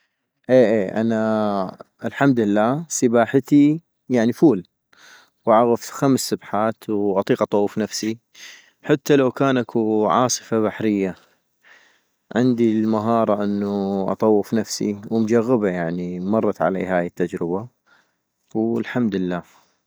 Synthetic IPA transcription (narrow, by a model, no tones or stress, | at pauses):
ʔeːʔeːʔa̰na | ɪlħamd̪lːaːsɪbaːħat̪i | jaʕnifuːl | wʕaɣafxamsːabħaːt̪wʔɑt̪ˤiːqʔɑt̪ˤɑwːɪfnafsi | ħat̪ːalawkaːnʔakʰuʕɑ̰ːsˤɨ̥faβaħɾɪjːa | ʕɪnd̪ilmaɦɑːɾˤɑʔɪnːuʔɑ̰t̪ˤɑwːɪfnafsḭwɪmd͡ʒaɣːəbajaʕnimɑrˤːɑt̪ʕa̰lḛːhaːjət̪ːad͡ʒɾɪba | wlħamd̪lːaː